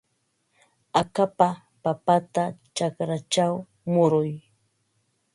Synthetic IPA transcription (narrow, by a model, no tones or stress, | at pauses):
akapa | papat̪at͡ʃakɾat͡ʃaw | mʊɾʊj